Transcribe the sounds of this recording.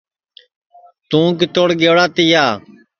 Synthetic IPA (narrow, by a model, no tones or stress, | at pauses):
t̪ũːk̬ɪt̪oːɽɡeːɽaːt̪ɪjaː